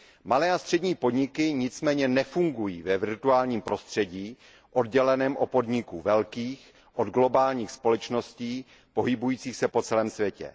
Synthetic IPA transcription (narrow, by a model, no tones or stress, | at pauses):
malɛːast̪r̥ɛdɲiːpo̞dɲɪkɪɲɪt͡smɛːɲɛnɛfuŋɡujiːvɛvɪɾt̪uaːlɲiːmpɾo̞st̪r̝̥ɛɟiː | ʔo̞dɟɛlɛnɛːmʔopo̞dɲɪkuvɛlkiːx | ʔo̞d̪ɡlo̞baːlɲiːxspo̞lɛt͡ʃno̞sciː | po̞ɦɪbujiːt͡siːxsɛpo̞t͡sɛlɛːmsvjɛcɛ̰